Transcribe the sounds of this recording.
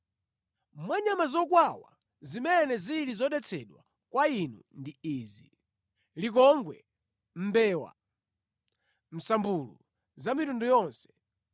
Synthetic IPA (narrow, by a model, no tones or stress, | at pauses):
mwaɲamazɔkwawa̰ | zimɛnɛzilizɔɗɛt͡sʰɛɗwa̰ | kwainṵndiiːzi | lik̬ɔŋɡwɛ̰ | m̩bɛːwa̰ | m̩sambulṵ | zamitundujɔnsɛ̥